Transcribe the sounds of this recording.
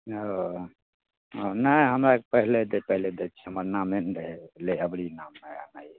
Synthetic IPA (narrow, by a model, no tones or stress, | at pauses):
ɦo | onəjɦəmɾakepəɦled̪epəɦiled̪et͡ʃʰɛ̥ɦəməɾnamenɾeɦeleəbɽinamːea̰nai